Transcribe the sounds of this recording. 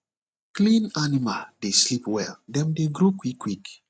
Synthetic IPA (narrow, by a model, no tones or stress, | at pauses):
klĩnanimaldeslipwɛldɛ̃mdeɡɾokwikːwik